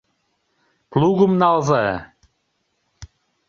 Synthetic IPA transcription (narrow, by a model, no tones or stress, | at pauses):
plˠuɣə̆mnɑlzɑ